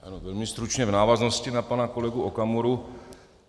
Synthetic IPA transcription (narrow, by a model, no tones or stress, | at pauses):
ʔa̰novɛlmɪst̪ɾut͡ʃɲɛvnaːvazno̞scɪnapanako̞lɛɡuʔokamuɾu